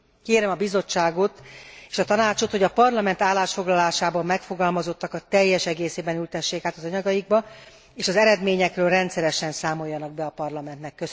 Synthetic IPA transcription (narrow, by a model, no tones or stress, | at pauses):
keːɾɛmɒbizo̞t͡ʃːaːɡo̞t̪eːʃɒt̪ɒnaːt͡ʃo̞t̪ho̞ɟɒpɒrlɒmɛnt̪aːlːaːʃfo̞ɡlɒlaːʃaːbɒmːɛkfo̞ɡɒlmɒzo̞t̪ːɒkɒt̪ɛjːɛʃɛɡeːseːbɛnylt̪ɛʃːeːkaːt̪ɒzɒɲɒɡɒjiɡ̚bɒ | eːʃɒzɛɾɛd̪meːɲɛkrøːlrɛnt̪sɛɾɛʃɛnsaːmo̞jːɒnɒɡ̚bɛɒpɒrlɒmɛnt̪nɛkːø